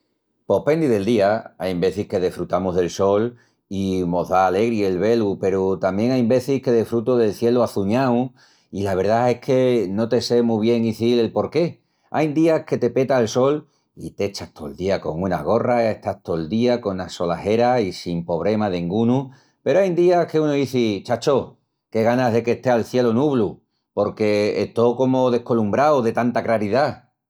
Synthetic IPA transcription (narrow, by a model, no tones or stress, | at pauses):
po̞hpe̞nd̪iðe̞ld̪iaajmbe̞θihke̞ð̞efɾut̪amoɦðe̞lso̞l | imo̞ɦðaːle̞ɣɾie̞lβe̞lupe̞ɾut̪ambje̞ŋajmbe̞θihke̞ðefɾut̪oðe̞lθje̞luaθuɲaw | ilaβ̞e̞ɾðae̞hkʰe̞no̞t̪e̞se̞muβ̞je̞ŋiθile̞lpo̞ɾke̞ | a̰jnd̪iahke̞t̪e̞pe̞t̪aelso̞l | it̪e̞t͡ʃat̪ʰo̞eld̪iako̞̰ŋuna̰ɣ̞o̞raeht̪aht̪o̞eld̪iako̞naso̞lahe̞ɾaisimpo̞β̞ɾe̞maðeŋɡunu | pe̞ɾoajnd̪iake̞unoiθit͡ʃat͡ʃo̞ | ke̞ɣanaɦðe̞keht̪ealθje̞lonuβlu | po̞ɾke̞ḛht̪o̞ko̞mo̞ðe̞hko̞lumbɾawðe̞t̪ant̪aklaɾiða